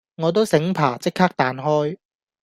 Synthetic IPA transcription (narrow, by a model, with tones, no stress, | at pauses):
ŋɔː˨˧t̪̬o˥wsɪ˨˥ŋpʰa̰ː˨˩t͡sɪ˥kʰːaː˥k̚t̪aː˨nɦɔː˥j